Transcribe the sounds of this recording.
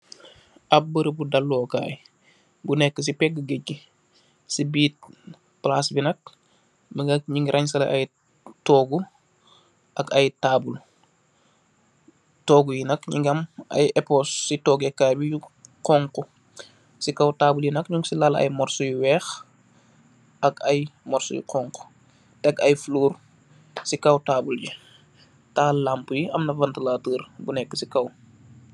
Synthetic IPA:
ɐp̚bəɾəbudɐlːɔːka̰ːj | bunɛkːəs̬ipɛɡːəɡəcːi | sibiːt̚ | plaːsbinɐk̚ | bəŋɡɐk̚ɲiŋɡiɾʔɐɲs̬ɐlɐ̰ʔɐj | tɔːɡu | ʔɐkɐjtaːbul | tɔːɡujinɐkɲiŋɡɐmɐ̰jɛpɔsːitɔːɡɛkːaːjbijuqɔːŋku | sikɐwtaːbuljinɐkɲuŋsilalɐ̰jmɔrsujuwɛːx | ʔɐkɐjmɔrsṵjḭqʰɔːŋku̥ | tɛkɐjfluːr | sikɐwtaːbulji | taːlaːmpujiɐmnɐvɐntəlaːtəːrbunɛkːə̥sikɐw

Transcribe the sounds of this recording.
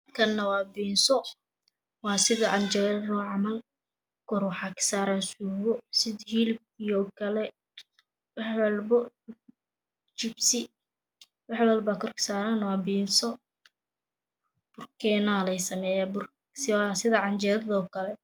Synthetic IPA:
kʰɐnːɐwɑːbiːnsɔ | wɑːsɪðɐʕɑnd͡ʒɛɾðɔʕɑmɐl | kʰɔɾwħɑkʰsaːɾansuːwɔsɪhiːlb̚ijɔkʰɐlɛ | wɑħwɐlbɔ | t͡ʃɪbsɪ | wɑħwɐlbaːkʰɔrkʰɪ̥saːɾanwɑːbiːnsɔ | b̥ʊrkʰɛnalɛjsɐmɛːjaːbʊr | ssɪðɐʕɑnt͡ʃɛːɾðɔkʰɐlɛ

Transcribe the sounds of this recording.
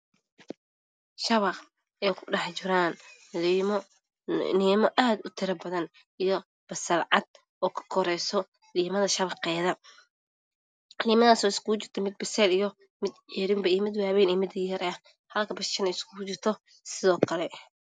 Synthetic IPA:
ʃɐβɑq | ɛːkʰʊɖɑħt͡ʃɪɾaːn | niːmɔʔaːd̪ʊt̪ʰɪɾɐbɐðɐn | ijɔ | b̥ɐsɐlʕɑd̪̚ | ɔːkʰɐ̥kʰɔɾɛjsɔ | liːmɐðɐʃɐβɐqɛːðɐ | iːmɐðaːsɔːɪskʰʊʊt͡ʃɪrt̪ʰɔmɪd̪̚bɐsɛːlijɔ | mɪd̪ʕɪɾɪmbɐjmɪd̪waːβɛːniːmɪd̪ɛɾɐɐ | hɐlkʰɐbɐsɛnɐɪskʰʊʊt͡ʃɪrt̪ʰɔ | sɪðɔːkʰɐlɛ

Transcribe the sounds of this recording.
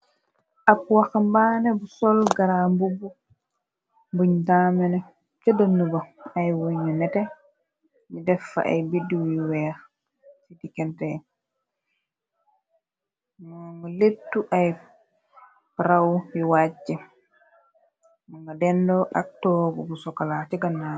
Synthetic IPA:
ʔap̚wakambanɛbusɔlɡaɾambubu | mbuɲdaːmɛnɛ | t͡ʃadənːubaajwoɲːunɛtɛ | midɛfːa̰ʔa̰jbidiwwɛɾ | sidikɛntɛ | ŋɡɔletːuʔaj | ɾawwiwat͡ʃːɛ | maŋɡadɛndɔɗa̰k̚tɔɡɔbɔsɔkalatiɡanːa

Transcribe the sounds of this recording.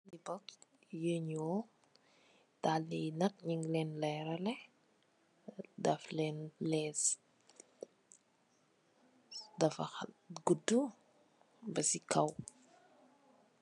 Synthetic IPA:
nibɔk | jəɲɔ | talinɐk̚ɲiŋlɛːnlɛːɾɐlɛh | dɐflɛnlɛs | dɐfɐxɐɡudu | bɐsikʰɐw

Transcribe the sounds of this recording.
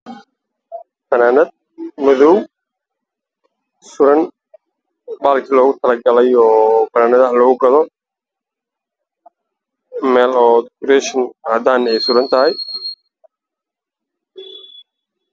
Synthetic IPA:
fɐnaːnɐd̪̚ | mʊðɔw | sʊɾɐn | baːlkʰilɔːɣʊt̪ʰɐlɐɡɐlɛjɔːbɐnaːnɐðɐlɔːɣʊɡɐðɔ | mɛːlɔːd̪kʊɾɛːʃɪnad̪aːnɛjsʊɾɐnt̪ʰɐɦɛj

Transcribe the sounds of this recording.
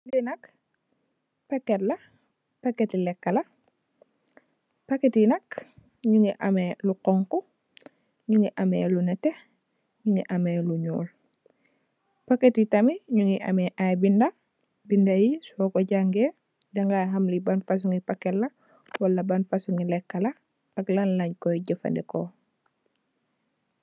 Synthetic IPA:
linɐk | pɐkːɛtlɐ | pɐkːetilɛkːɐlɐ | pɐkːetinɐk | ɲuŋiʔɐmeːluqɔŋkɔ | ɲuŋɡiʔɐmɛːlunɛtɛ | ɲuŋiʔɐmeːluɲɔ̰ːl | paketitamiɲuŋiʔa̰meʔajbinda | bindajisɔkɔɟaŋɡe | dɐŋɡajɦɐmlibanfas̬uŋipakelːɐ | walːɐbanfasuŋilɛkːɐlɐ | ɐklanlɐɲkɔjɟəfa̰ndɛko

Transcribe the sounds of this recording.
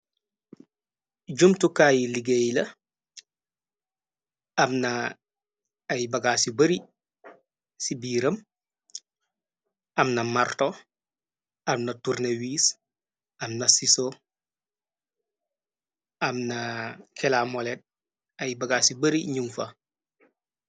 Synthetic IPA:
ɟumtukajiliɡejlɐ | ɐmna | jbɐɡasibɐɾi | sibiːɾɐm | ɐmnɐmarto | ɐmnɐtuɾnɐwiːs | ɐmnɐsiso | ɐmnakʰɛlamolet̚ | ɐjbɐɡasibɐɾiɲuŋfɐ

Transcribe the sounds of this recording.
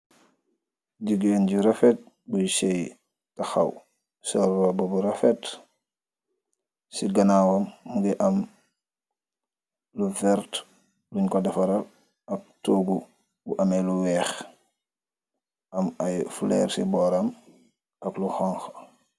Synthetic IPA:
ɟuɡeːnɟiɾɐfɛt̚ | buʃɛj | tɐxɐ̰w | sɔrːɔbɔbuɾɐfɛt | siɡɐnawɐmmuɡɛʔɐm | luvɛɾt | luɲkɔdɐfɐɾɐl | ɐk̚toɡu | buʔɐmɛluwɛːx | ɐmɐjfulɛːrsibɔːɾɐm | ɐkluxɔŋx

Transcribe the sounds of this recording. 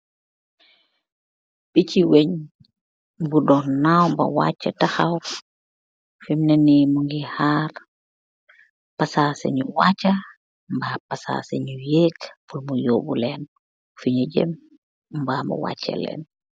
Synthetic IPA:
biciweɲ | budɔnawmbɐ̰wa̰cːɐtaxɐw | fimnɛnimuŋɡihaːɾ | pɐsasɛ̰ɲuwat͡ʃːɐ | mbapɐsa̰sɛɲujɛːkpulmujɔːbulɛn | fiɲuɟɛ̰m | mbaːmbṵwa̰ːcːɐ̰lɛ̰ːn

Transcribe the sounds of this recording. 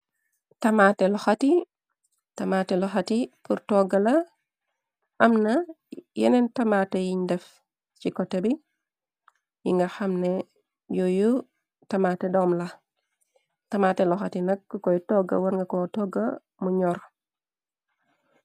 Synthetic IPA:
tɐmaːtɛlɔxati | tɐmaːtɛlɔxatipuɾtɔɡɐlɐ | ʔɐmnɐ | jɛ̰nɛntɐmatɛjiɲdɛf | t͡ʃikɔtːɛbi | jḭŋɡɐxɐmnɛ | joju | tɐmaːtɛdɔːmlɐ | tɐmatɛlɔxatinɐkːkɔjtɔɡɐ̰wɐɾŋɡɐkɔtɔɡɐ̰ | muɲɔɾ

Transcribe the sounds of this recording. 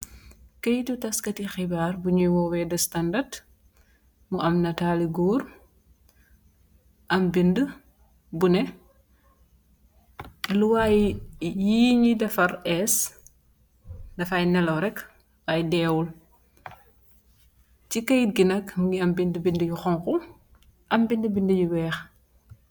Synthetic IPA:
kɐjtutɐskɐtixibaːrbuɲujwɔwɛdɐstɐndɐrt | muɐmnɐtaːliɡuːr | ʔɐmbində | bunɛ | luwajjiːɲidɐfɐɾɛs | dɐfajnɛlɐwɾɛk | waːjdɛːwul | cikɐjt̚ɡinɐkɡiɐmbindəbindəjuxɔŋku | ʔɐmbindəbindəjuwɛːx

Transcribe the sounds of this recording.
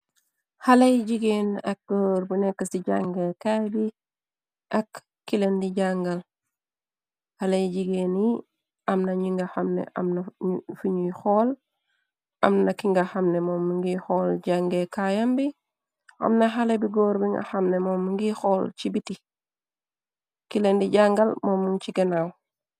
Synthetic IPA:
halɐjɟiɡenɐk̚ɡ̥oːɾbunɛkːɐsiɟaŋɡekajbi | ʔɐkː | ilendiɟaŋɡɐl | halejɟiɡeːni | ɐmnɐɲiŋɡɐxɐmnḛʔɐ̰mnɐfuɲuxɔl | ʔa̰mnɐkiŋɡaxamnemɔːmuŋɡixɔlɟaŋɡekajambi | a̰mnaɦalebiɡoːɾbiŋɡa̰xamnemɔːmːuŋɡixɔlt͡ʃibiti | kilendiɟaŋɡalmoːmuŋt͡ʃiɡenaw

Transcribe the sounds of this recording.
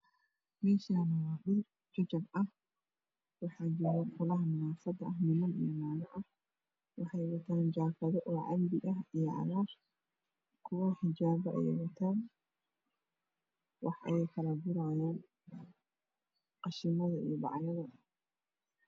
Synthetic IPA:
mɛːʃaːnɐwaːɗɪr | d͡ʒɐd͡ʒɐbɐh | wɑħɑːd͡ʒɪɾɛfʊlɐɦɐmʊnaːfɐd̪ɐɐhmɪnɐnḭjmaːnɐʔɐh | wɑħɑjwɐt̪ʰaːnd͡ʒaːfɐðɔʔɔːʕɑlbɪɐɦijɔʕɑ̰ðaːr | kʰʊwɐħɪd͡ʒaːβɐʔɛ̰j̰wɐt̪ʰaːn | wɑħʔɐ̰jɛjkʰɐlɐɡʊɾajaːn | qɑʃɪmɐðɐḭjɔbɑ̰ʕjɐðɐ

